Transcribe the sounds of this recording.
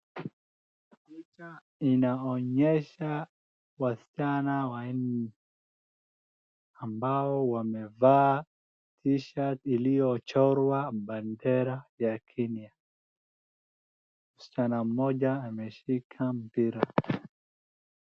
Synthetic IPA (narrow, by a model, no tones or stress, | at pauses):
pit͡ʃa | inaɔɲɛʃa | wasi̥t͡ʃanawani | ambaɔwamɛvaː | tʰiʃatilijɔt͡ʃɔɾwaɓandɛɾajakʰɛnia | m̩si̥t͡ʃanam̩mɔʄaːmɛʃikʰam̩piɾa